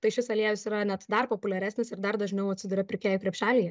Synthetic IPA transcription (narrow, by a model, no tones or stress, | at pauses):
t̪ɐɪʃʲɪsɐlʲiɛʋʲɪsiːɾɐnʲɛt̪d̪ɐrpoːpʊlʲɛɾʲæːsʲnʲɪsɪrd̪ɐrd̪ɐʒʲnʲɛʊɐt̪ʲsʲɪd̪uːɾʲɛpʲɾʲɪkʲeːjʊkɾʲɛpʲʃʲæːlʲiːjɛ